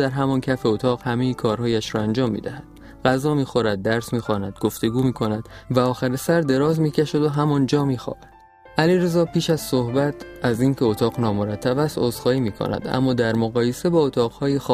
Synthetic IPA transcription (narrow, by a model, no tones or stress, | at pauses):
d̪æɾɦæmɒncʰæfeot̪ʰɒːɣ̥hæmejikʰɒːɾhɒːjæʃɾɒænd͡ʒɒːmːḭːd̪æhæd̪̥ | ɢ̥æzɒːmiːxo̞ɾæd̪̚ːæɾsmiːxɒːnæd̪̥ɡo̞ft̪e̞ɡuːmiːkʰo̞næd̪̥væɒːxæɾesæɾd̪e̞ɾɒːzmiːcʰæʃæd̪oɦæmɒnd͡ʒɒːmiːxɒ̰ːbæd̪ | ʔæliɾezɒːpʰiːʃæz̥sohbæt̪ʰæziːncʰe̞ot̪ʰɒːɣnɒːmoɾæt̪ʰːæbæst̪oːzxɒːhiːmiːkʰo̰næ̰d̪æ̰mːɒːd̪æɾmoɣɒːje̞se̞bɒːot̪ʰɒːɣhɒːjex